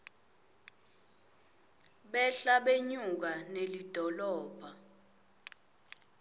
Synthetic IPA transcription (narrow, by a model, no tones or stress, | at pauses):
ɓɛɬaɓeɲuk̬anelid̥ʱɔlɔːb̥ʱa